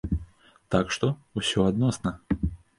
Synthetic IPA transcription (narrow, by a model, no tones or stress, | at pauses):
t̪akʂt̪ɔusʲɔad̪nɔsnɐ